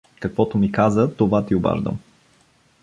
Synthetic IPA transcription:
kɐkvɔt̪ʊmikazət̪ovat̪ioba̰ʒd̪ə̰m

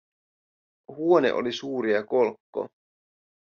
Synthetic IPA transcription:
huonḛʔo̰lisuːɾiɑkolkːo̰

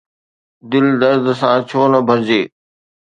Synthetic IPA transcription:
d̪ɪld̪əɾd̪ʱsãːt͡ɕʰoːnəbʱəɾd͡ʑeː

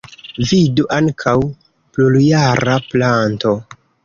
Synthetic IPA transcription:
viduʔaŋkʰaw | pluljaɾaplanto̞

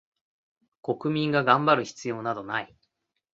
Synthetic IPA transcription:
ko̞kɯ̟mʲĩŋɡaɡãmbaɾɯ̟çi̥t͡sɨjo̞ːnad̪o̞nai

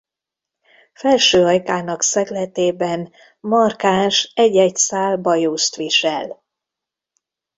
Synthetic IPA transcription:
fɛlʃøːɒjkaːnɒksɛɡlɛt̪eːbɛn | mɒrkaːnʃɛɟːɛcsaːlbɒjuːst̪ʋiʃɛl

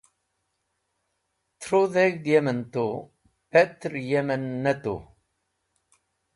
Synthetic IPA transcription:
t͡sɾuðæʝd̪jæmənt̪u | pæt̪ːəɾjæmænːæt̪ṵ

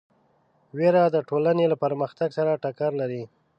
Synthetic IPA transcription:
weɾad̪əʈolanelapəɾməxt̪aɡsaɾaʈakaɾlaɾi

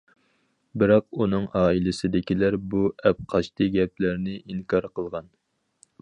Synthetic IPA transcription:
bɪɾɑq̚unɨŋʔɑːilɪsɪd̪ɪkʲilæɾbuɛp̚qʰɑʃt̪ɨɡʲɛplæɾnɪʔiŋkɑɾqʰəlˠʁɑn

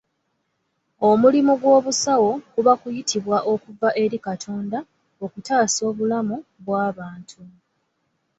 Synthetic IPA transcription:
o̞mulimuɡwo̞ːβusawo̞kuβakujitʰiβwaʔo̞kuvaʔe̞ɾikatʰo̞ːnda | o̞kutaːso̞ːβulamuβwaːβaːntʰu

